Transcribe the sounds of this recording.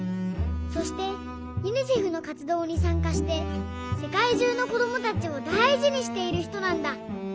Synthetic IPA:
so̞ɕi̥t̪e̞ | inɯ̟ʑiɸɯ̟no̞kat͡sɨd̪o̞ːɲ̟isãŋkaɕi̥t̪e̞ | se̞kaiʑɨːno̞ko̞d̪o̞mo̞t̪at͡ɕio̞d̪aiʑiɲ̟iɕi̥t̪e̞iɾɯ̟çi̥t̪o̞nãnd̪a

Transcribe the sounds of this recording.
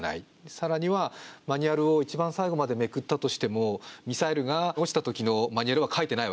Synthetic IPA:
na̰i | saɾaɲ̟iβamaɲ̟iaɾɯ̟o̞it͡ɕibãɰ̃saiɡo̞mad̪e̞me̞kɯ̟t̪ːat̪o̞ɕi̥t̪e̞mo̞mʲisaeɾɯ̟ɡaoɕi̥t̪at̪o̞kʲino̞maɲ̟iaɾɯ̟βakʰait̪e̞naiβ

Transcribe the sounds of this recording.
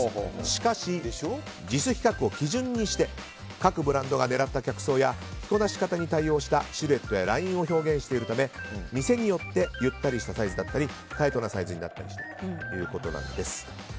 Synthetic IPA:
ɕi̥kaɕi | d͡ʑisɨçʲi̥kakɯ̟o̞kʲiʑɨ̃ɲ̟ːiɕi̥t̪e̞ | kakɯ̟bɯ̟ɾãnd̪o̞ɡane̞ɾat̪ːakʲakɯ̟̥so̞ːjaçi̥ko̞naɕi̥kat̪aɲ̟it̪aio̞ːɕi̥t̪aɕɨɾɯe̞t̪ːo̞jaɾaĩɰ̃o̞ço̞ːɡẽ̞ɰ̃ɕi̥t̪e̞iɾɯ̟t̪ame̞mʲise̞ɲ̟ijo̞t̪ːe̞jɯ̟t̪ːaɾʲiɕi̥t̪asaizɨd̪at̪ːaɾʲi | t̪aet̪o̞nasaizɨɲ̟ina̰t̪ːaɾʲiɕi̥t̪ḁt̪o̥jɯ̟ːko̞t̪o̞nã̰no̰d̪e̞sɨ̥

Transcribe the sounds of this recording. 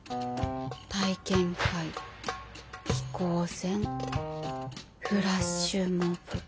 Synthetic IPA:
t̪aikẽŋkai | kʲi̥koːsẽŋ | ɸɯ̟ɾasɕɨːmoɸɯ

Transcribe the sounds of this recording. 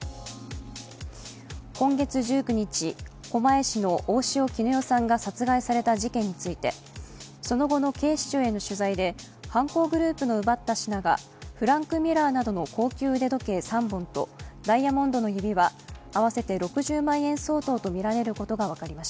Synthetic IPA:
kõ̞ŋɡe̞t͡sɨʑɨːkɯ̟ɲ̟it͡ɕiko̞mae̞ɕino̞ʔoːɕio̞kʲinojo̞sãŋɡasat͡sɨɡaisaɾe̞t̪aʑikẽ̞ɲ̟ːit͡sɨit̪e̞ | so̞no̞ɡo̞no̞ke̞ːɕi̥t͡ɕoːe̞no̞ɕɨzaid̪e̞ | hãŋko̞ːɡɯ̟ɾɯ̟ːpɯ̟no̞ɯ̟bat̪ːaɕinaɡa̰ | ɸɯ̟ɾãŋkɯ̟mʲiɾaːnad̪o̞no̞ko̞ːkʲɨːɯd̪e̞d̪o̞ke̞sãmbõ̞nt̪o̞̰d̪aijamõ̞nd̪o̞no̞jɯbʲiβaːβase̞t̪e̞ɾo̞kɯ̟ʑɨːmãɰ̃ẽ̞ɰ̃so̞ːt̪o̞ːt̪o̞mʲiɾaɾe̞ɾɯ̟ko̞t̪o̞ɡaβ̞akaɾʲimaɕi̥t̪a

